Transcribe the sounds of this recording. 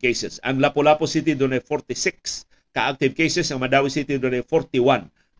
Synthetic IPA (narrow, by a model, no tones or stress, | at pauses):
kejsɛsɐŋlapolaːposit̪̬id̪onɐjfoɾt̪ɪsɪk̚s | kɐʔak̚t̪ɪvkejsɛsɐŋmɐd̪aːwɪsit̪id̪onɐjfoɾt̪ɪwan